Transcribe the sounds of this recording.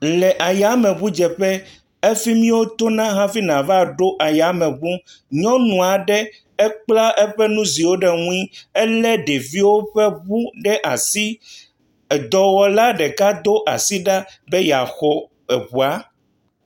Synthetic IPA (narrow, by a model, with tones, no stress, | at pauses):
lɛ˨ʔa˨ja˨˦mɛ̃˨βu˦d͡ʒɛ˨ɸɛ˦ | e˦fi˦mĩ˦wo˦t̪o˦nã˦ɦã˦fi˦nã˨va˨ɖo˦ʔa˨ja˨˦mɛ̃˨βu˦ | ɲɔ̃˦nũ˨a˨ɖɛ˦ | ɛ˦k͡pla˦ʔɛ˦ɸɛ˦nũ˦zi˨wo˦ɖɛ˨ŋũ˦ĩ˦ɛ˦lɛ˦ɖe˨vi˦wo˦ɸɛ˦βu˦ɖɛ˦ʔa̰˨si˦˨ | d̪ɔ˨wɔ˨la˦ɖɛ˨ka˦d̪o˦ʔa̰˨si˦ɖa˦bɛ˦ja˨xɔ˨ | ɛ˨ɸu˨a˦